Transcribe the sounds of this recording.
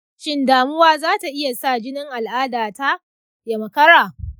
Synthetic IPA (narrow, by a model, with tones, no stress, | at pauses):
ʃɪ˦ndaː˨mʊ˦waː˦zaː˦ta˨ʔɪ˦ja˨sa˦˨d͡ʒɪ˦nɪ˦ŋʔa˨lʔaː˦daː˨ta˦ | ja˨mɐ˨kɐ˦ɽaː˨